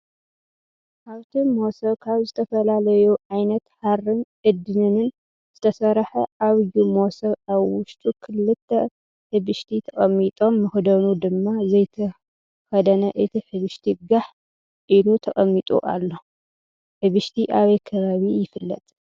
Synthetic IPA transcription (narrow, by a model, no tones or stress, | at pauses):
ʔaβt̪ʰimo̞sɐβkʰaβzɨt̪ʰɐfɐlalɐjuʕajnɐt̪haɾɨnʔɨd̪ɨnɨnɨn | z̥ɨt̪ʰɐsɐɾħɐʔaβɨjumo̞sɐβaβwʊʃt̪ʼukʰɨlːɨt̪ʰːɐ | ħɨβɨʃt̪ʰit̪ʰɐkʼɐmːit̪ʼo̞mːɨxd̪ɐnud̪ɨmːazɐjt̪ʰɐ | xɐd̪ɐnɐʔɨt̪ʰiħɨβɨʃt̪ʰiɡaħ | ʔilut̪ʰɐχʼɐmːit̪ʼṵʔa̰lːo̞ | ħɨβɨʃt̪ʰiʔaβejkʰɐβaβijɪfɨlːɐ̰t̪ʼ